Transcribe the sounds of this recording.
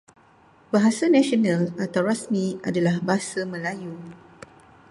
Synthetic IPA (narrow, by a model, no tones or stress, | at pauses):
baɦasanãsionãlat̪awɾasmĩa̰dalahbaɦasamə̃laju